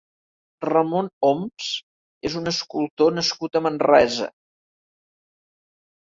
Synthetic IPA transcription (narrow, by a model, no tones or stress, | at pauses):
rəmonoms | ezunəskulˠt̪onəskut̪əmənrɛ̰zə̰